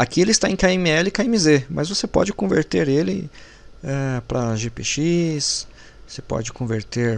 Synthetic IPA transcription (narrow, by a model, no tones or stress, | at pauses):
akielɪst̪aẽkaemɪɛlɪkaemizemɐzvosepɔ̰d͡ʒɪkõveɾt̪eɾelɪ | ɛpɾɐʒepeʃis | osepɔ̰d͡ʒɪkõveɾt̪eɾ